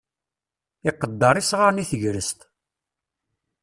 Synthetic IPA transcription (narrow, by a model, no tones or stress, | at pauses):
ɪqːəd̪ːɑɾˤisʁaɾniθəʝɾəst̪